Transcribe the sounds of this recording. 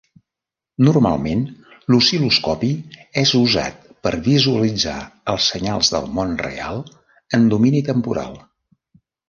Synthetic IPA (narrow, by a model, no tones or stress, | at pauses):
nurma̰lˠmen | lusiluskɔpiɛzuza̰t̪̚pəɾβizuəlid͡za̰əlˠsəɲalˠzðə̰lˠmonrḛalˠ | ənd̪uminit̪əmpuɾa̰lˠ